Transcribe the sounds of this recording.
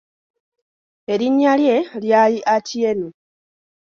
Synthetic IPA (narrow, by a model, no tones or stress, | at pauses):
e̞ɾiɲːalje̞ljaːjiʔatʰienu